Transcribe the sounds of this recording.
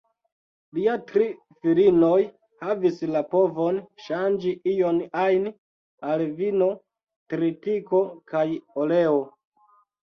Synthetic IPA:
liatɾi | filino̞j | havislapo̞vonʃand͡ʒiʔijo̞najn | alvino̞ | tɾitiko̞kajoleo

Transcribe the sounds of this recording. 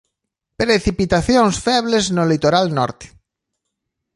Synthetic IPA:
pɾeθipit̪aθjoŋsfɛβleznolit̪oɾalnɔ̰ɾt̪e̥

